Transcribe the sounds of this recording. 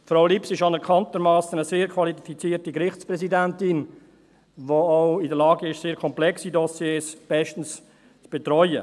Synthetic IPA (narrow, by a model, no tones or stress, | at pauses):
fɾaʊlipsɪʃɑnɛɾkʰɑntəɾmɑːsənəseːɾkʰvɑlifit͡siːɾtikɾɪχt͡spɾɛsidæntɪn | voɔʊɪdəɾlɑːɡəɪʃseːɾkʰɔmplɛksidɔsjeːsb̥ɛʃtən̩s | t͡sb̥ɛtɾɔʏə̰